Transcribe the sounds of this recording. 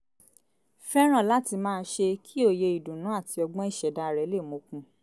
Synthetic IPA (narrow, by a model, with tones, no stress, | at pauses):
fɛ˦ɾ̃ã˦˨la˨˦ti˧mãː˦˧n˦ʃe˧kʰi˦o˦˨je˧i˨dũ˨nũ˨˦a˦˨tʰi˧ɔ˧ɡ͡bɔ̃˦i˦˨ʃɛ˨da˧˨ɾɛ˨˦le˦˨mo˨˧kũ˧